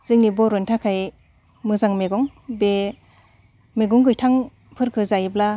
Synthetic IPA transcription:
z̥ɯŋnibɔɾɔjntʰakʰaj | mɯzaŋmeɡɔŋ | be | meɡɔŋɡɯjtʰaŋ | pʰɯɾkʰɯzajbla

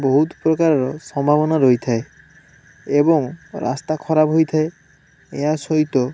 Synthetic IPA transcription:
boɦut̪pɾokaɾaɾɔsɔmbʱabɔnaɾojt̪ʰae | eboŋɾa̰st̪akʰɔɾapɦojt̪ʰae | easoit̪o

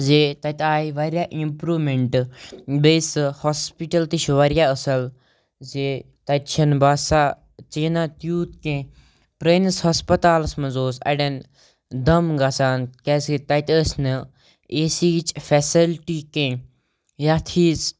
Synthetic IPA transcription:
zeːt̪ɐt̪aːiʋaːɾjaːʔimpɾuːmeɳʈbeːshospiʈɐlt̪iʃʋaːɾjaəsɐl | zeː | t̪ɐt̪t͡ʃʰɐnbaːsaː | t͡ʃeːnãt̪juːt̪kẽː | pɾeːnshɐspɐt̪aːlsmɐzoːsɐ̰ɖɐn | d̪ɐmɡaːsaːnkɛːset̪ɐt̪əsnɨ | eːsiːt͡ʃfɛːsilʈiːkẽː | jaːt̪ʰiːs

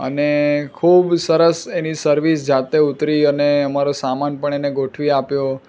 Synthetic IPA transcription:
ə̰nekʰubsəɾəsenisəɾʋisd͡ʒat̪eut̪ɾiəneəmaɾosamanpəɳ̃eneɡoʈʰʋiapjo

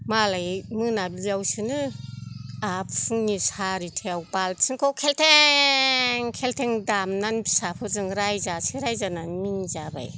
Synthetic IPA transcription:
malajmɯnabijawsɯnɯ | apɯŋnisaɾitʰewbalsʰɯŋkʰɔwkʰeltʰe | ŋkʰeltʰeŋdamnanbi̥sapʰɯzɯŋɾajzasiɾajzananminzaba̰j

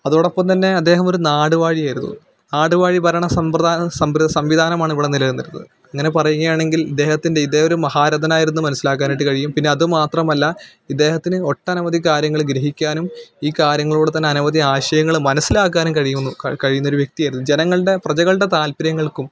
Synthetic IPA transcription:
ɐðuɽɐpːɐmt̪ɐnːe̞ɐd̪ːe̞ːɦɐmo̞ɾunaːɽuʋaːɻijaːjiɾunːṵ | naːɽuʋaːɻibʱɐɾɐɳɐsɐmprɐd̪aːnɐsɐmʋiɐsɐmʋid̪ʱaːnɐmaːɳiʋɽenilɐʋunːiɾunːɐðɨ | ɐŋːɐne̞pɐrɐjuŋːɐjaːɳe̞ŋɡilid̪ːe̞ːhɐt̪ːinde̞id̪ːeːoɾumɐhaːɾɐd̪ʱɐnaːjiɾunːumɐnɐsilaːkːaːniʈ̬ːɨkɐɻijumpinːe̞ɐðɨmaːt̪rɐmɐlːɐ | id̪ːe̞ːhɐt̪ːinɨo̞ʈːɐɐnɐʋɐd̪ikaːɾjɐŋːɐɭɡɾeɦikʲːaːnumiːkaːɾjɐŋːɐɭuːɽet̪ɐnːeɐnuʋɐd̪iaːɕɐjɐŋːɐɭmɐnɐsːilaːkːaːnumkɐɻijumnːukkɐɻijunːɐo̞ɾuʋje̞k̚t̪ijaːjiɾunːud͡ʑenɐŋːɐɭɨɽe̞prɐt͡ɕɐɣɐɭɨɽe̞t̪aːlpiɾjɐŋːɐɭkum

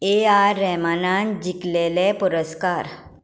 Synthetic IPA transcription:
eaɾːɛmanãnd͡ʑiklelepuɾəskaɾ

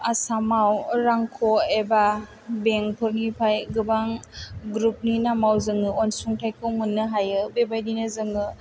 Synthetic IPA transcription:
asamawɾaŋkʰɔeba | beŋpʰɯɾnipʰajɡɯbaŋɡɾup̚ninamawzɯŋɯɔnsuŋtʰajkʰɯwmɯnːɯɦajɯbebajdinɯzɯŋɯ

